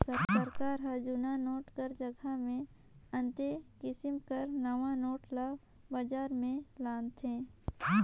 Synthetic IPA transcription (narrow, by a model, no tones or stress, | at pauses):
səsəɾkaːɾɦɐd͡ʒuːnanoːʈkəɾd͡ʒəɡʱamẽ | ə̃nt̪ekɪsɪmkəɾnəʋãnoːʈlaː | bad͡ʒaːɾmẽlaːnt̪ʰẽː